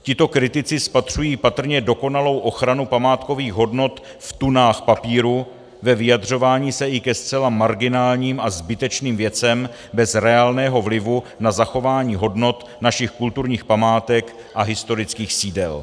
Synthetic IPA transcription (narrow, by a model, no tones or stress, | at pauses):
cɪt̪o̞kɾɪt̪ɪt͡sɪspat̪r̝̥ujiːpat̪r̩ɲɛdo̞ko̞nalo̞wʔo̞xɾanupamaːt̪ko̞viːɣɦo̞dno̞t̪ | ft̪unaːxpapiːɾu | vɛvɪjad̪r̝o̞vaːɲiːsɛʔɪkɛst̪t͡sɛlamaɾɡɪnaːlɲiːmʔazbɪt̪ɛt͡ʃniːmvjɛt͡sɛm | bɛzɾɛaːlnɛːɦo̞vlɪvunazaxo̞vaːɲiːɦo̞dno̞t̪ | naʃɪxkult̪uɾɲiːxpamaːt̪ɛk | ʔaɦɪst̪o̞ɾɪt͡skiːxsiːdɛ̰l